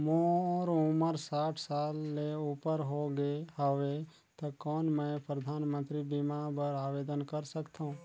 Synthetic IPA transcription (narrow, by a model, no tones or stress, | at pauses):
mõɔːɾuməɾsaːʈʰsaːlːeupəɾɦoɡeɦəʋe | t̪okɔːnmɛ̃pɾəd̪ʱaːnmə̃nt̪ɾibimabəɾaːʋeːd̪ənkəɾsəkt̪aũ